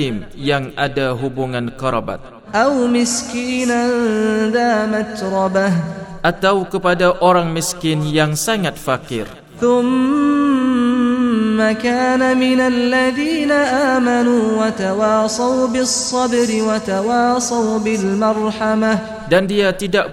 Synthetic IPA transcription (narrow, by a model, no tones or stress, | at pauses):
ɪmjaŋadaɦubuŋankaɾa̰ba̰t̪̚ | ʔawmɪskiːnad̪aːmat̪ɾˤɑbahʔat̪awkəpadaʔoɾaŋmiskɪnjaŋsaŋat̪̚fakɪ̰r | θʊm | akaːnamɪnalːaðiːnaʔaːmanuːwat̪awɑːsˤawbɪsˤːɑbɾɪwat̪awɑːsˤawbɪlmɑɾˤħamah | dandiat̪idaʔ